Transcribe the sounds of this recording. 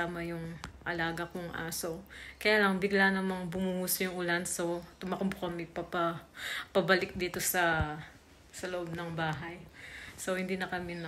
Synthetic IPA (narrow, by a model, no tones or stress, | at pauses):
aːmɐjʊŋʔɐlaːɡɐkoŋʔa̰ːsokɐjaːlɐŋbɪɡlanɐmaŋbʊmuhuːsojʊŋʔʊlanso̞t̪ʊmakompokɐmɛpɐpɐpɐbɐlɪk̚d̪iːt̪o̞sɐ | sɐloʔob̚nɐŋbaːɦajsowhɪnd̪iːnɐkɐmɪn